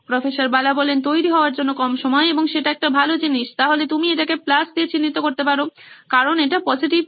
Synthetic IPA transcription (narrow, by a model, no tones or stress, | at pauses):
pɾɔfeʃaɾbalabɔlent̪ojɾiɦɔoaɾd͡ʑonːokɔmʃɔmɔeeboŋʃeʈaɛk̚ʈabʱalod͡ʑiniʃt̪aɦolet̪umieʈakeplasd̪iet͡ɕinːit̪okoɾt̪epaɾokaɾoneʈapɔd͡ʑiʈib̚